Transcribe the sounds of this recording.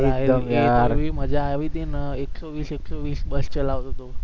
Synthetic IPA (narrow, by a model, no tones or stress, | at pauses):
iaɦeəjeaɾʋiːm̤əd͡ʑʱaːʋiːd̪enəeksoʋiːseksoʋiːsbəst͡ɕəlaʋd̪ʱot̪o